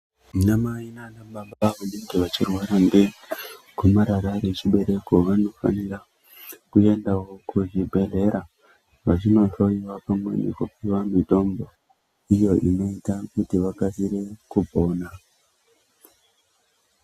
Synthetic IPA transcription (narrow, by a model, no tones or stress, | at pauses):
namainanaɓaɓaʋaneŋɡeʋat͡ʃirwaɾanɡekumaɾaɾaɾet͡ʃiɓe̞ɾe̞ko̞ʋano̞fa̰nira | kue̞ndawo̞kuʐibʱe̞ɮe̞ɾa | ʋat͡ʃino̞ʃo̞iwapamwe̞nḛkupiʋamito̞mbo̞ | ijo̞ʔino̞itakutiʋakasiɾe̞kubʱo̞ːna